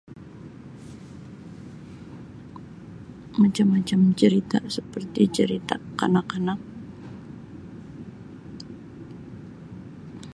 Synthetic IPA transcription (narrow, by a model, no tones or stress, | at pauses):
mat͡ʃamat͡ʃamt͡ʃəɾit̪asəpərt̪it͡ʃəɾit̪akanakanak̚